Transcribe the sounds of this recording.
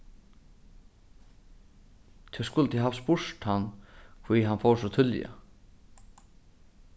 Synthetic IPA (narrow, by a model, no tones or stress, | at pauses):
t̪ʰɛskʊlːət̪ʰiɦaːvspʊʂt̪hanːkʰviɦanfowsɔt̪ʰʏlja̰